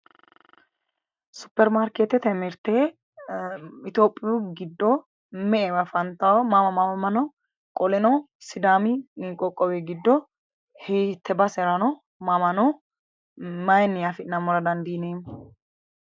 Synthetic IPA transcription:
sʊ̥pːɛɾmaːɾket̪ɛt̪ɛmɪɾt̪e | ɪt̪joːpʼːɪjuɡɪd̪ːɔ | mɛʔɛbɐfɐnt̪ɐmɐmɐmɐmɐmɐnɔ | kʼɔlɛnɔ | sɪd̪aːmɪniːkʼɔkʼːɔwɛɡɪd̪ːɔ | hɛt̪ːɛbɐsɛɾɐnɔ | mɐmɐnɔ | mɐjɛnɪjafɪnɐmɔɾɐd̪ɐnd̪iːneːm

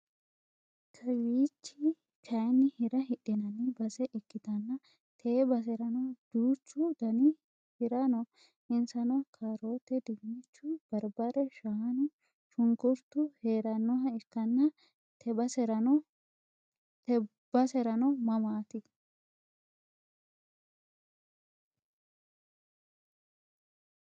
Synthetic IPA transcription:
kʰɐwiːt͡ʃːi | t͡ʃʰɐjnːɪhɪɾɐhɪᶑɪnɐnɪbɐsɛʔɪkːɪd̪ɐnːɐ | t̪ʰeːbɐs̬ɛɾɐnɔd̪̥uːt͡ʃːʊd̪ɐnɪ | hɪɾɐnɔ | ɪnsɐnɔkʰaːɾo̞ːt̪ːɛd̪ɪmit͡ʃːʊb̥ɐɾbɐɾɛʃaɐnɪ | ʃʊŋɡʊɾt̪ʊhe̞ːɾɐnːɔɦɐɪkːɐnːɐ | t̪ʰɛbɐsɛɾɐ | t̪ɛ | b̥ɐsɛɾɐnɔmɐmaːt̪ɪ

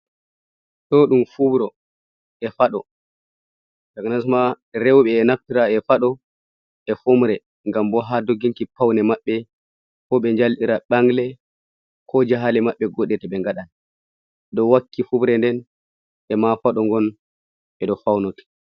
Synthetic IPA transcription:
tɔɗumfubɾɔ | ʔɛfaɗɔ | d͡ʒaknasma | ɾewɓɛːnaftiɾaɛfaɗɔ | ʔɛfomɾɛ | ŋɡambɔɦadoɡiŋkipawnɛmaɓːɛ | kɔɓɛɲd͡ʒalɗiɾaɓaŋɡlɛ | kʰɔd͡ʒaɦalɛmaɓːɛɡɔɗɛtɛɓɛŋɡaɗan | ɗɔwakːifubɾɛndɛn | ɛmafaɗɔŋɡɔn | ɓɛɗɔfawnoti̥

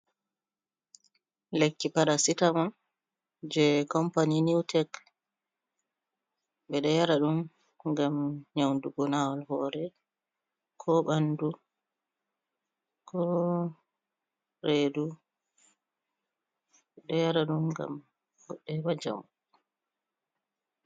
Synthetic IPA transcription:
lekːipaɗasitaman | d͡ʒɛkɔmpaniniwtʰɛk | ɓɛɗɔjaɾaɗum | ɡamɲawnduɡɔnawalhɔːɾɛ | kʰɔɓandu | kʰɔ | ɾedu | ɓɛɗɔjaɾaɗumɡa̰m | ɡɔɗːɛwad͡ʒa̰w

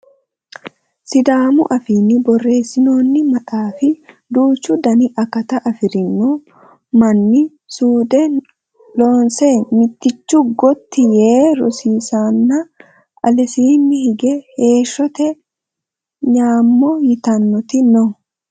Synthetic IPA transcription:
sɪd̪aːmʊʔɐfiːnːɪbɔrːe̞ːsːɪno̞ːnːɪmɐt̪ʼaːfɪ | d̪uːt͡ʃːʊd̪ɐnɪʔɐkɐt̪ɐʔɐfɪɾɪnːoː | mɐnːɪ | suːd̪ɛ | lo̞ːnseːmɪt̪ːɪt͡ʃːʊɡɔt̪ːɪjeːɾɔ̰siːsaːnːɐ | ɐ̰lɛsiːnːɪhɪɡɛhe̞ːʃːɔt̪ɛ | ɲaːmːɔjɪt̪ɐnːɔt̪ɪnɔ

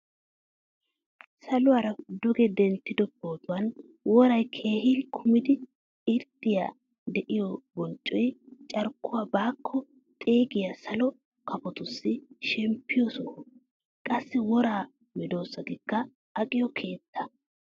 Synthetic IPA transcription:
sɐlʊwaːɾɐd̪ʊɡɛd̪ɛnt̪ːɪd̪ɔboːd̪ʊwɐn | wɔɾɐjkʰe̞ːhɪːlkʰʊmɪd̪ɪ | ɪɾd̪̥ɪja̰ | d̪ɛʔɪjɔbɔnt͡ʃʼːɔjt͡ʃʼɐɾkːʊwaːbaːkʰːɔ | t̪ʼe̞ːɡɪjasɐlɔ | kʰɐpɔt̪ʊsːɪʃɛmpːɪjɔsɔ | kʼɐsːɪwɔɾaː | mɛd̪o̞ːsːɐd̪ɪkːɐː | kʼɪjɔkʰe̞ːt̪ːɐ̥

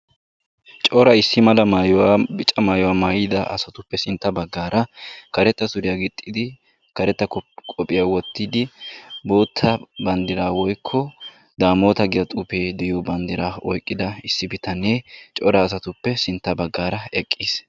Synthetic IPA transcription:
t͡ʃʼɔɾɐɪsːɪmɐlɐmajwabɪt͡ʃʼːɐmaːjɔwaːmaːjɪd̪ɐɐ̰sɐt̪ʊpːɛsɪnt̪ːɐbɐɡːaːɾɐkɐɾɛt̪ːɐsʊɾɪjaɡɪt̪ʼːɪd̪ɪ | kɐɾɛt̪ːɐkʼɔpʼːɪjaːwɔt̪ːɪd̪ɪbo̞ːt̪ʰːɐbɐnd̪ɪɾaːwɔjkʰːɔ | d̪aːmo̞ːt̪ɐɡɪjɐt̪ʼʊpeːd̪ɛjoːbɐnd̪ɪɾaːɔjkʼːɪd̪ɐɪsːɪbɪt̪ɐnːeːt͡ʃʼɔɾɐːs̬ɐt̪ʊpːɛsɪnt̪ːɐbɐɡːaːɾɐɛkʼːiːs

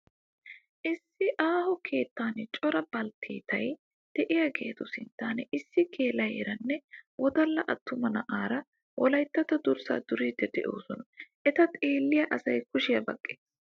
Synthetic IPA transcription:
ʔɪsːɪʔaːhɔkʰe̞ːt̪ːaːnt͡ʃʼɔɾɐbɐlt̪ʰiːt̪ʰɐj | d̪̥ɛʔɪjaɡḛːt̪ʊsɪnt̪ːaːnɛɪsːɪkʰeːlɐjɾɐnːɛwɔd̪ɐlːɐʔɐt̪ʰːʊmɐnɐʔaːɾɐ | wʔɔlɐjt̪ːɐt̪ɐd̪ʊɾsa̰ːd̪ʊɾiːd̪ːɛd̪ɛʔo̞ːsɔnɐʔɛt̪ɐt̪ʼeːlːɪjɐʔɐsɐjkʊʃɪjɐbɐkʼːeːs

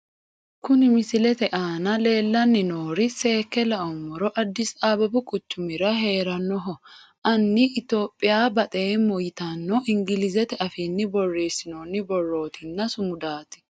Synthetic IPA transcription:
kʊnɪmɪsɪlɛt̪ɛʔaːnɐle̞ːlːɐnːɪnoːɾɪse̞ːkːɛlɐʔɔmːɔɾɔʔɐd̪ːɪsaːbɐbʊkʼʊt͡ʃːʊmɪɾɐɦe̞ːɾɐnːɔɦɔʔɐnːɪʔɪt̪o̞ːpʼːɪjaːbɐt̪ʼeːmɔjt̪anːɔʔɪŋɡɪlɪzɛt̪ɛʔɐfiːnːɪbɔrːeːsːɪnoːnːɪbɔrːo̞ːt̪ʰɪnːɐsʊmʊd̪aːt̪ɪ̥

